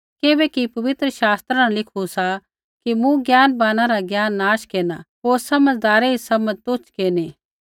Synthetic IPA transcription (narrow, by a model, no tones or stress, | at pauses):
kebɛkipɐʋɪt̪ɾəʃaːst̪ɾanalɪkʰusa | kimũɡjaːnbaːnaɾaɡjaːnːaːʃkeːnaɦoːɾsɐməd͡zd̪aːɾeisɐmət̪ʊt͡ʃkeːneː